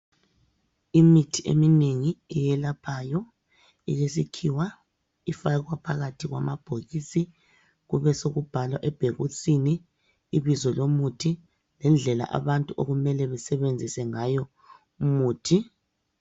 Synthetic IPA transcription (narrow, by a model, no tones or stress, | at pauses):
imitʰiʔḛmineŋiɛjɛlapʰajɔ | ijesikʰiwa | ifaɣwapʰaɣatʰiɣwa̰mab̥ʱoɣisi | ɣuβɛsoɣub̥ʱalwaʔɛb̥ʱeɣusʼiniː | βizɔlomutʰi | lɛnd͡ɮʱɛla̰ʔa̰βantʼuʔoɣumɛlɛβɛsɛβend͡zʱisɛŋajɔ | umuːtʰi